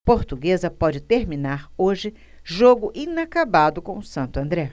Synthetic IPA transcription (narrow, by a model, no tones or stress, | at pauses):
poɾt̪uɡezɐpɔd͡ʒɪt̪eɾminaɾoʒɪ | ʒoɡʊʔĩnakabad̪ʊkõʊsɐ̃nt̪ʊɐ̃nd̪ɾɛ